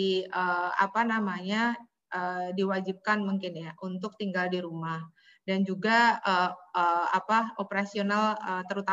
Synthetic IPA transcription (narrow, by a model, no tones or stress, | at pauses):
əa̰panamaɲa | ʔəːdiwad͡ʒip̚kanmuŋkɪnjaʔunt̪ʊk̚t̪iŋɡaldiɾumah | dand͡ʒuɡaəəapaopeɾasionalət̪əɾut̪a